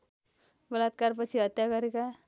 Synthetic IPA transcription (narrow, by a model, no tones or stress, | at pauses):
bʌlat̪̚kaɾpʌt͡ʃʰiʌt̪jakʌɾeka